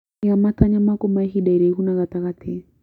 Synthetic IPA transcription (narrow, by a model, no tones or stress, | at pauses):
iɣamataɲamakɔmaɦiɗaiɾɛiɦunaɣat̪aɣat̪ʰɛ